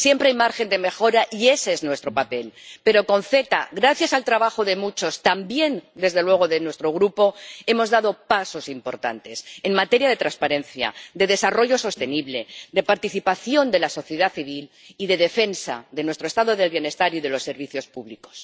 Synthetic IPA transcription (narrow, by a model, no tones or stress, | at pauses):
sje̞mpɾeajmaɾxe̞nd̪e̞me̞xo̞ɾaʔie̞seznwe̞st̪ɾo̞pape̞lpe̞ɾo̞ko̞nθe̞t̪a̰ɣɾaθjasalt̪ɾaβaxoðe̞mut͡ʃo̞st̪ambje̞nd̪e̞zðe̞lwe̞ɣ̞o̞ðe̞nwest̪ɾo̞ɣ̞ɾupo̞e̞mo̞zðað̞o̞paso̞simpo̞ɾt̪a̰nt̪e̞se̞nmat̪e̞ɾjaðe̞t̪ɾanspaɾe̞nθja̰d̪e̞ðe̞saro̞ʝo̞so̞st̪e̞niβle̞d̪e̞paɾt̪iθipaθjo̞nd̪e̞laso̞θje̞ðaθiβil | iðe̞ð̞e̞fe̞nsa̰ðe̞nwe̞st̪ɾoest̪aðoðe̞lβjene̞st̪aɾiðe̞lo̞sːe̞ɾβiθjo̞spuβliko̞̥s